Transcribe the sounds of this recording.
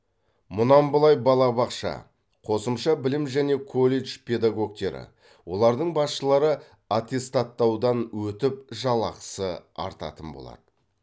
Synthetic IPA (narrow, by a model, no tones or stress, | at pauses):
mʊnɑmbəlˠɑjbɑlˠɑbɑqʃɑ̰ | qʰo̞səmʃɑbɪlɪmʒæne̞kʰolʲˠe̞ʒpʰʲe̞d̪aɡo̞k̚t̪e̞ɾɪ̰ | wo̞lˠɑɾd̪əɴbɑsʃəlˠɑɾə | at̪ʲe̞st̪at̪ːɑwd̪ɑnwɵt̪ɪp̚ʒɑlˠɑqə̥səɑ̰ɾt̪ɑ̰t̪ənbo̞̰lˠɑ̰d̪ə